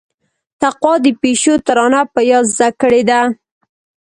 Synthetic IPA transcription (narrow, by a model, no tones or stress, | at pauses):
t̪aqwɑd̪əpeʃot̪aɾɑnapəjɑzːakəɽed̪a